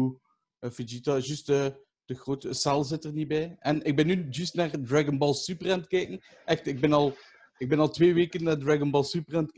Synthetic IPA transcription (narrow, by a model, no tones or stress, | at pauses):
u | fid͡ʒitaʒystə | d̥əɣroːtəsalˠzɪtərnibɛjɛnɪɡ̚bɪnːyʒystnaːrdraɡənbɑlˠsypərɛntkɛːkəŋ | ʔɛxtɪɡ̚bɪnɑlˠ | ɪɡ̚bɛnɑlˠtʋeːʋeːkənːaːrdraɡənbɑlˠsypərɛntk